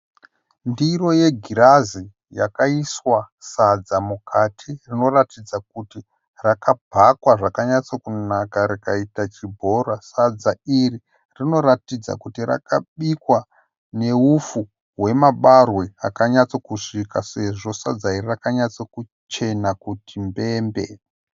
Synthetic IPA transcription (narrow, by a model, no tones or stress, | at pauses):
ndiro̞je̞ɡʱiɾazi | ja̰kaiswa | sad͡zamukʰatʰirino̞ratid͡zak̚uti | rakabʱakwaʐakaɲat͡sokunakaɾikaitat͡ʃibʱo̞rasad͡zairi | rino̞ɾatid͡za̰kutira̰kaɓikwa | ne̞ufu | ɦwe̞maɓarwe̞akaɲat͡sokuʂikase̞ʐo̞sa̰d͡zairirakaɲat͡soku | t͡ʃe̞nakutʰimbe̞mbe̞̰